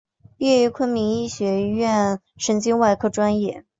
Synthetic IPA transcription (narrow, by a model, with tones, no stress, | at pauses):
pi˥ɛ˥˩y˧˥kʰwə˥nmi˧˥ŋi˥˩ɕɥɛ˧˥ɥɛ˥˩n | ʂə˧˥nt͡ɕi˥ŋwa˥˧ɪkʰɤ˥˩ʈ͡ʂwa˥njɛ˥˩